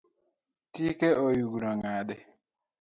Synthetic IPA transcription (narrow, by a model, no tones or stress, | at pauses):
tikeʔojuɡunɔŋadɛ